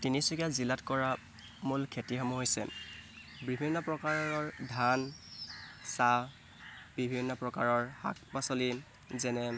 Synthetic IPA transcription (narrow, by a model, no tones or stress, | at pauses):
tinisukazilatkɔɹa | mulkʰetiɦamuɦojsɛ̰ | bibʱinːɔpɹɔkaɹɔɹɔɹdʱan | sa | b̥ibʱinːɔpɹɔkaɹɔɹha̰k̚pasoli | zɛnɛ